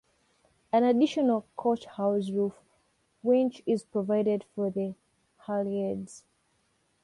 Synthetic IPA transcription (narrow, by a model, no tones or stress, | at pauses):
ãnadiʃɔnəlkʰɔt͡ʃhaʊsɹuf | wɪ̃nt͡ʃɪzpɹɔvaɪdɛdfɔðə | halɛdz̥